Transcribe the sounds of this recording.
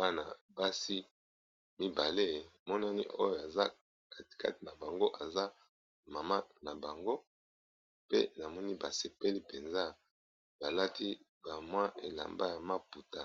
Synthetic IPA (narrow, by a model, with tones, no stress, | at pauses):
ba˦na˨ba˦si˦ | mi˦ba˨le˦˨mɔ˦na˦nḭ˦ʔo˦jo˨a˨za˦ | ka˦ti̥˨ka̰˦ti˨na˨ba˨ŋɡo˦ʔa˨za˦ | ma˨ma˦na˨ba˨ŋɡo˦ | pe˦na˨mɔ˦ni˦ba˨se˨pe˦li˦pe˨nza˦ | ba˨la˦tʰi˦ | ba˨mwa˦ʔe˨la̰˨mba˦ja˨ma˦pu˨ta˦